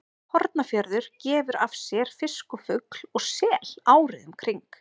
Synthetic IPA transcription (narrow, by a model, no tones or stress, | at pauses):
hɔɾt̪̚nafjœɾðʏɾ̥cɛːvʏɾafsjɛɾ̥fɪskʏfʏkl̥ɔɣsɛːlaːwɾɪðʏmkʰɾiŋk